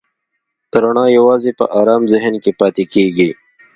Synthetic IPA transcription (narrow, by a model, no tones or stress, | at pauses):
t̪ɾoɳɑ̃ːjɐwɑːzepə̰ʔɑːɾɑːmzɪɦnkepɑːt̪ekeːɡi